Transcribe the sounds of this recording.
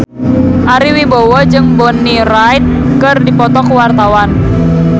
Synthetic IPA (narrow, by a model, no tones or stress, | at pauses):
ʔaɾiwibowɔd͡ʒɨŋbɔniɾajt̪̚ | kɨrdipɔt̪ɔkəwart̪awan